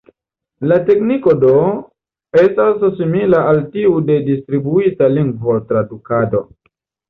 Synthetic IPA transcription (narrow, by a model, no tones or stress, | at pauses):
lateknikodo | estasːimilaaltiudedistɾibuitaliŋɡvotɾadukado̞